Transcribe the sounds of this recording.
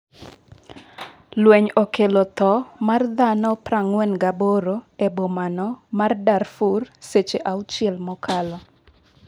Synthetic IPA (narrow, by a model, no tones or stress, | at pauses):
lweɲokelɔt̪ɔmard̪anɔpraŋwɛnɡaboɾoebomanɔmardarfurset͡ʃeʔaut͡ʃɪɛlmɔkʰalɔ